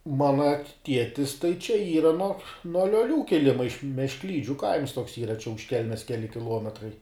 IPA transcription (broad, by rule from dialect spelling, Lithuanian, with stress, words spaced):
ˈmɑːnɐ ˈtʲiɛtʲɪs tɐɪ t͡ʃʲɛ ˈiːrɐ nuɔ nuɔ lʲoːˈlʲuː kʲɪˈlʲɪmɐ ɪʃ mʲɛʃkˈlʲiːd͡ʒʲʊ kɐɪms toːks ˈiːrɐ t͡ʃʲɛ ʊʃ ˈkʲɛlʲmʲɛs ˈkʲæːlʲɪ kʲɪˈlˠuɔmʲɛtrɐɪ